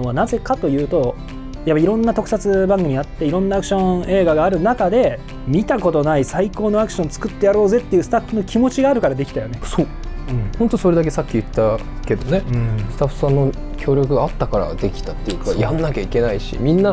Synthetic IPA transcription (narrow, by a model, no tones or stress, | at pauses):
oβanaze̞kat̪o̞jɯ̟ːt̪o̞ | japːaiɾõ̞nːat̪o̞kɯ̥sat͡sɨbãŋɡɯ̟mʲiat̪ːe̞iɾõ̞nːaakɯ̟̥ɕõ̞e̞ːɡaɡaːɾɯ̟nakad̪e̞ | mʲit̪ako̞t̪o̞naisaiko̞ːno̞akɯ̟ɕõ̞nt͡sɨ̥kɯ̟t̪ːe̞jaɾo̞ːze̞t̪ːe̞jiɯ̟ːsɨ̥t̪aɸːɯ̟no̞kʲimo̞t͡ɕiɡaːɾɯ̟kaɾad̪e̞kʲi̥t̪ajo̞ne̞soː | ɯ̟̃hõnt̪oso̞ɾe̞d̪ak̬e̞sakʲːijɯ̟t̪ːa | ke̞d̪o̞ne̞ɯ̃sɨ̥t̪aɸːɯ̥sãnːo̞ | kʲʰo̞ːɾʲo̞kɯɡat̪ːakaɾa̰d̪e̞kʲi̥t̪at̪ːejɯ̟kajãnnakʲaike̞naiɕḭmʲĩnːa